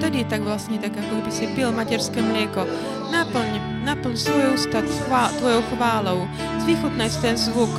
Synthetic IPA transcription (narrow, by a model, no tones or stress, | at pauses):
t̪ɛdɪt̪aɡvlast̪ɲɛt̪akjakoɡbɪsɪbɪlmacɛɾskɛmɾɛko | nap̩ | napl̩ɲst̪vojowst̪at̪at̪vojowxvaːlow | zviːxot̪najst̪ɛnzvuk